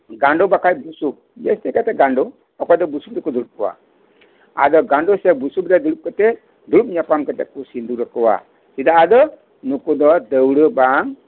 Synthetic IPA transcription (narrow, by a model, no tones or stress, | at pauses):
ɡãɳɖobakajbusu | jest̪ekat̪eɡãɳɖo | ɔkɔd̪ɔbusubd̪ekud̪uɾup̚kɔwa̰ | a̰d̪ɔɡãɳɖosebusubd̪ad̪uɾup̚kət̪e | d̪uɾup̚ɲapamkət̪ekusind̪uɾəkɔwa̰ | sid̪aːd̪ɔ | nukud̪ɔd̪əwɽəbaŋ